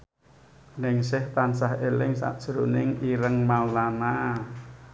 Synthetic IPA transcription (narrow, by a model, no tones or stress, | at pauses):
nɪŋsɪht̪ansahelɪŋsa̰ʔd̥ʒ̥ɾunɪŋiɾəŋmaulana